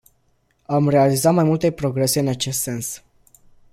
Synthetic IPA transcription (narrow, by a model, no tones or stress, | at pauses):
amre̞alizat̪majmult̪e̞pɾo̞ɡɾe̞se̞ɨnat͡ʃe̞st̪se̞ns